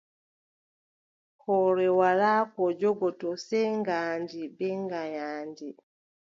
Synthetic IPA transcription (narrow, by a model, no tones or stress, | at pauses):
hɔːɾɛwalaːkɔd͡ʒɔɡɔtɔsɛjŋɡaːɲd͡ʒibɛŋɡajaːɲd͡ʒi